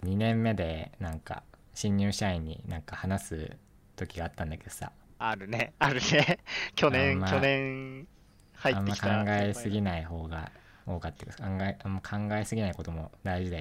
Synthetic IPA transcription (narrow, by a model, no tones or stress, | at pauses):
ɲ̟inẽ̞mːe̞d̪e̞nãŋka̰ɕĩɲ̟ːɨːɕaiɲ̟ːḭnãŋkahanasɨ̰ | t̪o̞kʲiɡaːt̪ːãnd̪ake̞d̪̥o̞̥sa̰ | aɾɯ̟neaɾɯ̟nekʲo̞nẽmakːonẽŋ | haiãtmːeːakʰãŋɡaesɨɡʲinaiɦo̞ːɡa̰ | o̞ːkat̪ːekskãŋɡaeamːakʰãŋɡaesɨɡʲinaiko̞t̪o̞mo̞d̪aiʑid̪e